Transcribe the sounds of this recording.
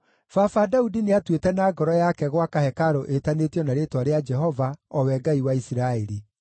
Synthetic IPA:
fafadaudineatwetɛnaːɡɔɾɔjakɛɣwakahɛkaɾoʔetanetjɔnaɾetwaɾead͡ʒɛɦɔvaɔwɛɡaiwaisiɾaɛɾi

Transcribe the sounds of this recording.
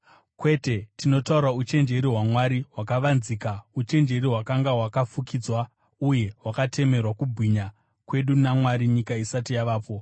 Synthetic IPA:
kwe̞te̞tino̞tauɾaut͡ʃe̞nd͡ʒe̞ɾiɦwamwaɾiwakaʋanziːkaut͡ʃe̞nd͡ʒe̞ɾiɦwakaŋɡaɦwakafukiːd͡zwa | uje̞ɦwakatʰe̞me̞rwakubʱwiɲa | kwe̞ɗunamwaɾiɲikaisatijaʋaːpo̞

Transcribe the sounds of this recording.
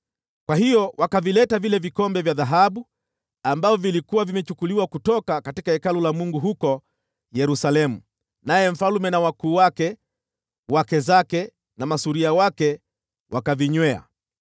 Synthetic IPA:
kwaɦijɔwakavilɛtavilɛvikɔmbɛvjaðaɦaɓu | ambavɔvilikuwavimɛt͡ʃukuliwakutɔkakatikahɛkalulamuŋɡuɦukɔ | jɛɾusalɛmu | najɛm̩falumɛnawakuːwakɛ | wakɛzakɛ | namasuɾiawakɛ | wʔakaviɲwɛa̰

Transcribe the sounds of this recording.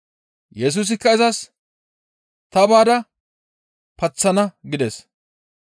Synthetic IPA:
jɛs̬uːs̬ɪkːɐɪzɐs | t̪ɐbaːd̪ɐ | pɐt͡sːɐnɐɡɪd̪ɛs

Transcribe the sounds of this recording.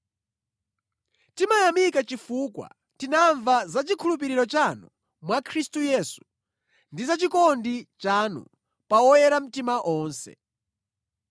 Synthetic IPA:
timajamikat͡ʃifukwa̰ | tinaɱvazat͡ʃikʰulup̬iɾiɾɔt͡ʃanu | mwakʰɾistujɛːsu̥ | ndizat͡ʃikɔndit͡ʃanṵ | pawɔjɛɾam̩timaʔɔːnsɛ̰

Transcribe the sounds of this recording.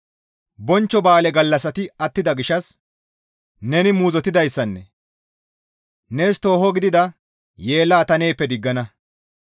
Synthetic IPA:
bɔnt͡ʃːɔbaːlɛɡɐlːɐsɐt̪ɪɐt̪ːɪd̪ɐɡɪʃɐs | nɛnɪmuːzɔt̪ɪd̪ɐjsːɐnːɛ | neːst̪o̞ːɦɔɡɪd̪ɪd̪ɐ | je̞ːlːaːt̪ɐne̞jpːɛd̪ɪɡːɐnɐ

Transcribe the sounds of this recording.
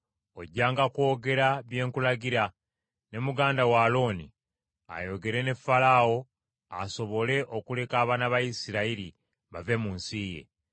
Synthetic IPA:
o̞ɟːaːŋɡakwo̞ːɡe̞ɾaβje̞ːŋkulaɡiɾa | ne̞muɡaːndawaːlo̞nḭ | a̰jo̞ɡe̞ɾe̞ne̞falao̞ | aso̞βo̞le̞ʔo̞kule̞kaːβanaβajisiɾaiɾi | βave̞muːnsije̞̰

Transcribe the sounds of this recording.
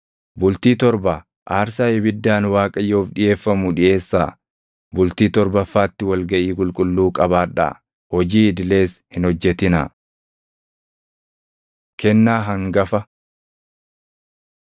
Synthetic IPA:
bʊlt̪iːt̪ɔɾbɐ | ʔaːɾsaːɪbɪd̪ːaːnwaːkʼɐjo̞ːfᶑɪje̞ːfːɐmʊᶑɪʔe̞ːsːaː | bʊlt̪iːt̪ɔɾbɐfːaːt̪ːɪwɐlɡɐʔiːkʼʊlkʼʊlːuːkʼɐbaːᶑa̰ː | hɔd͡ʒiːɪd̪ɪle̞ːshɪnhɔd͡ʒːɛt̪ɪnɐ̰ | kɛnːaːɦɐŋɡɐfɐ

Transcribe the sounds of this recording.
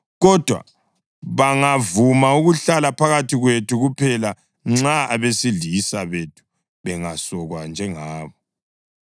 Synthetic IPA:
ɣɔd̥ʱwa̰ | βaŋavumauɣuɬalapʰaɣatʰiɣwetʰuɣupʰɛla | ŋ͡ǁaʔaβesiɮiisaβetʰu̥ | βɛŋasɔɣwand͡ʒʱɛŋaːβɔ

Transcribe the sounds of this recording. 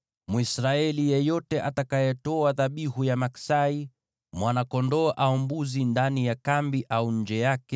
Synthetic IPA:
muisɾaɛlijɛjɔtɛʔatakajɛtɔaðaɓihujamaksai | mwanakɔndɔːʔaɔmbuzindanijakambiʔauɲ̩d͡ʒɛjakɛ

